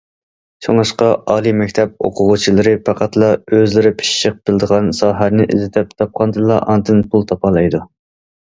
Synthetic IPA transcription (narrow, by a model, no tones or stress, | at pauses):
t͡ʃʰoŋɑʃqɑɑːlˠijmɛkʲt̪ʰɛp̚o̰qʰʊʁut͡ʃʰilˠɨɾɪpʰɑqʰɑt̪lˠɑøzlɪɾɪpʰi̥ʃʃəq̚b̥ɪld̪əʁɑnsɑːɦæɾnɪʔɪ̰zɪt̪ʰɪp̚t̪ʰɑp̚qʰɑnd̪ɨlˠɑ̰ʔɑnd̪ɨnpʰulˠt̪ʰɑpɑlˠɑjd̪u